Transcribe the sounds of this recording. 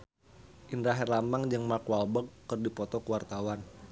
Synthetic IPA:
ʔindɾaɦɛrlamaŋd͡ʒɨŋmakwalbəkːɨrdipɔt̪ɔkəwart̪awan

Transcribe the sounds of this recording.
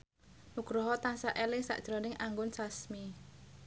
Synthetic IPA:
muɡ̥ɾɔɦɔt̪ansaʔelɪsa̰ʔd̥ʒ̥ɾɔnɪŋʔaŋɡʊnsasmi

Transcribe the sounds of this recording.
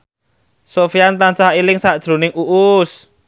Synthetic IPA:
sofiant̪ant͡ʃaɦilɪŋsaʔd̥ʒ̥ɾo̤nɪŋuʔʊs

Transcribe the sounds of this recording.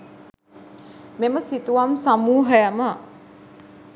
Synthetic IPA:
meməsit̪uʋamsamuːɦəjamə

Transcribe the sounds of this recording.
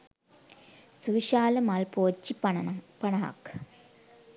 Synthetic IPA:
suʋiʃaːlɐmɐlpoːt͡ɕːippɐɳɐɦɐ̰k

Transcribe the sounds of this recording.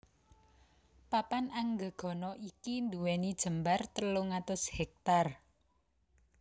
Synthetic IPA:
papanaŋɡə̤ɡ̥ɔ̤nɔʔikind̪uwɛnid̥ʒ̥ə̤mbart̪əloŋat̪ʊshɛk̚t̪ar

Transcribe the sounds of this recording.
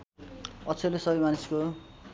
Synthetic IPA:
ʌt͡sʰʌlesʌbʌjmanisko

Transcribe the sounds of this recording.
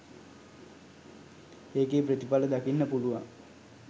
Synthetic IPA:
eːkeːprət̪ipaləd̪akinːəpuluʋa̰ŋ

